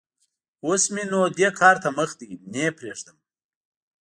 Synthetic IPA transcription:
osminod̪ekʰɑːɾt̪aməxd̪inepɾeʐd̪əm

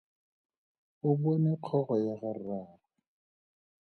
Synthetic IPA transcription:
ʊbonɪqʰɔɣɔjaɣaraːra

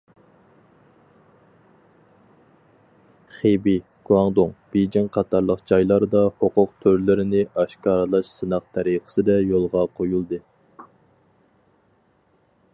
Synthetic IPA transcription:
χebi | ɡ̥uwɑŋd̪oŋb̥ed͡ʒɪŋqʰɑt̪ʰɑɾlˠəqd͡ʒɑjlˠɑɾd̪ɑhoqʊq̚t̪ʰøɾlɪɾɪnɪʔɑʃkɑːɾlˠɑʃsɨnɑq̚t̪ʰɛɾiqʰə̥sɨd̪ɛjolˠʁɑqʰojulˠd̪ɨ

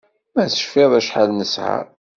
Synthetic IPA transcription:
mæsə̥ʃfɪðˤæʃħalnəsʕa̰

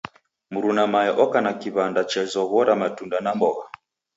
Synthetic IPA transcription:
muɾunamajɔʔɔkanakiβandat͡ʃɛzɔɣɔɾamatundanambɔɣa

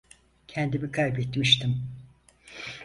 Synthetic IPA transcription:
cʰɛnd̪imikʰajbɛt̪miʃt̪ʰim

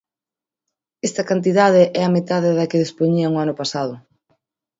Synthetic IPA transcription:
ɛst̪ɐkant̪̬iðað̞ɪʔɛɐmet̪aðɪðɐkɪðespoɲiɐŋʊanʊpasaðʊ

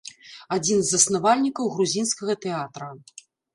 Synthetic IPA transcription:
ad͡zʲinzːɐsnavalʲnʲikɐwɣɾuzʲinskɐɣɐt̪ɛat̪ɾɐ

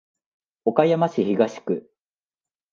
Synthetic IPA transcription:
o̞kajamaɕiçiɡaɕi̥kɯ̟

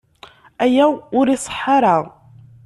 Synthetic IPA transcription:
æjæwʊɾisˤə̥ħːɑɾaʁ

